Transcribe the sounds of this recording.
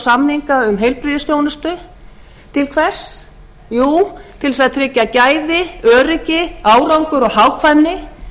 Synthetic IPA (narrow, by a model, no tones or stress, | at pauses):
samniŋkaʏmɦejlpɾiðɪst̪jownʏst̪ʏ | t̪ʰɪlkʰvɛ̥s | juːt̪ʰɪls̬aðt̪ʰɾɪcːacaːjðɪœːɾɪcɪaːwɾawŋkʏɾɔɣɦaːwkʰvajmnɪ